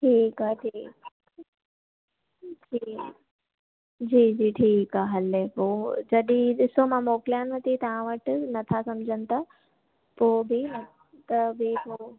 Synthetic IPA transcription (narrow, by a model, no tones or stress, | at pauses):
ʈʰiːkaɦʈʰiːk | d͡ʑʰiː | d͡ʑiːd͡ʑiːʈʰiːkaːɦəlepoːd͡ʑɐɗĩɗɪsomãmoːklijãnɐt̪it̪ɐʋ̤ãʋɐʈnɐt̪ʰasɐmd͡ʑʱənɪ̆t̪a | poːbɪ | t̪ɐbɪpoː